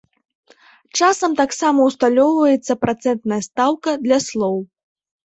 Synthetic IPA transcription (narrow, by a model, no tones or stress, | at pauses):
t͡ʂasɐmt̪aksamɐwst̪alʲɔwvɐjɛt̪sːɐpɾat̪sɛnt̪nɐjɐst̪awkɐd̪lʲɐslˠɔw